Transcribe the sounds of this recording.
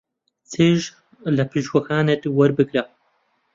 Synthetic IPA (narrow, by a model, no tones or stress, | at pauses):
t͡sʰeːʒ | lɐpʰɨʃwɐxaːnet̪wɐɾbɨɡɾɐ